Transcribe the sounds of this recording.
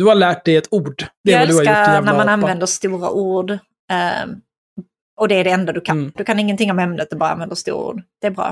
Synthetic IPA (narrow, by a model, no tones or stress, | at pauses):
d̪ɵhaɾlæːʈ̚d̪ɛjɛt̪uːɖd̪ɛɛɛd̪sɵhaɾjʊaɛnæɾmananvɛnd̪əʂt̪uːɾa̰ʔuːɖ | ɔd̪ɛːɖɛɛnd̪ad̪ɵkʰand̪ɵkʰanɪŋːənt̪ʰɪŋːɔmhɛmnət̪ɛbɑːɾaa̰nvɛnd̪əʂst̪ṵːɾaṵːɖd̪̥ɛːbɾɑ̰ː